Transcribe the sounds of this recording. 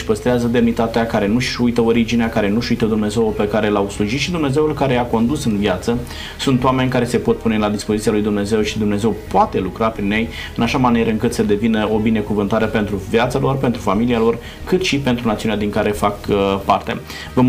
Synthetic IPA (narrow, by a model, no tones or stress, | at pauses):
ʃʲpəst̪ɾeazəd̪e̞mnit̪at̪eakaɾe̞nuʃujt̪əoɾid͡ʒineakaɾe̞nuʃujt̪əd̪umne̞ze̞wope̞kaɾe̞lawsluʒit̪ʃid̪umne̞ze̞ulkaɾe̞ako̞nd̪usɨnvjat̪sə | sunt̪oame̞nʲkaɾe̞se̞po̞t̪̚pune̞lad̪ispo̞zit̪ijalujd̪umne̞ze̞wʃid̪umne̞ze̞wpoat̪e̞lukɾapɾinje̞j | ɨnaʃamaniɾəɨŋkɨt̪səd̪e̞vinəʔo̞bine̞kuvɨnt̪aɾepe̞nt̪ɾuvjat̪salo̞rpe̞nt̪ɾufamilialo̞r | kɨt̪ʃipe̞nt̪ɾunat̪siunead̪iŋkaɾe̞fakpart̪e̞̰ | və